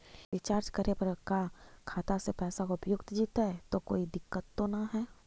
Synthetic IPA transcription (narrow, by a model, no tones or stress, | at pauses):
ʋɪt͡ʃaːɾt͡ʃkəɾepɐɾkakʰaːt̪asepɛːsakoʊpjʊkt̪d͡ʒiːt̪ɛt̪okoːid̪ɪkːət̪ːonaɦɛː